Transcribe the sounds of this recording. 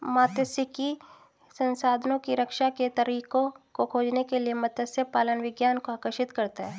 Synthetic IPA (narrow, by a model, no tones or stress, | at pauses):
maːt̪əsɪki | sɐ̃nsaːd̪ʱənõkiɾɐkʃaket̪ɐɾiːkõkokʰoːd͡ʒnekelijemɐt̪əsjəpaːlənʋɪɡjaːnkoaːkəɾʃɪt̪kɐɾt̪aɦɛː